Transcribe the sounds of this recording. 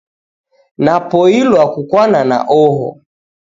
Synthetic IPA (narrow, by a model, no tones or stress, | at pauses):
napɔilwakukwanana̰ʔɔɦɔ̰